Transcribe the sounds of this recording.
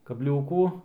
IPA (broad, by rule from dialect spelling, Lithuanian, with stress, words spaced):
kɐbʲˈlʲuːkuː